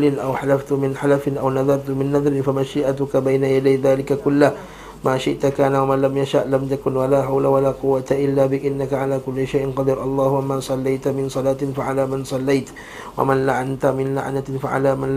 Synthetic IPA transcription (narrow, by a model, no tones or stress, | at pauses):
lɪnʔawħalaft̪mɪnħalafɪnʔawnaðɑɾˤt̪mɪnːaðˤɾɪnfamaʃiːʔat̪ʊkabajnajad̪ajðaːlɪkakʊlːa | maːʃɪʔt̪akaːnawamaːlamjaʃaʔlamt̪akʊnwalaːħawlawalaːqʊwːat̪aʔɪlːaːbɪʔɪnːakaʕalaːkʊlːɪʃajʔɪnqɑd̪ɪɾʔɑlˤːɑːhʊwamaːsˤɑlːajt̪mɪnsˤɑlaːt̪ɪnfaʕalaːmansˤɑlːajt̪ | wa̰manlaʕant̪amɪnla̰ʕnafaʕa̰laːman